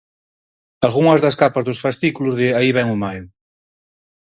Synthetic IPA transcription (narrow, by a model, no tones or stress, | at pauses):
alɣuŋɐzðɐskapɐzðusfast̪ikuluzðɪaiβɛŋumaju